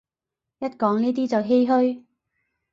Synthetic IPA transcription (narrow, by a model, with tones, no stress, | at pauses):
jɐ˥t̚kɔː˨˥ŋniː˥t̪̬iː˥t͡sɐ˨wɦe˥jɦɵ˥ɥ